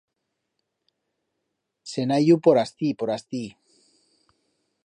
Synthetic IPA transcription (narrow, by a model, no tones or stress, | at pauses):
senajupoɾast̪ipoɾast̪i